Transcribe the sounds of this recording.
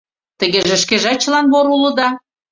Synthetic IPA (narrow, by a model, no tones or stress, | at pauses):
t̪ə̆ɣeʒĕʃkeʒæt͡ɕəlɑnβoɾulɤ̆d̪ɑ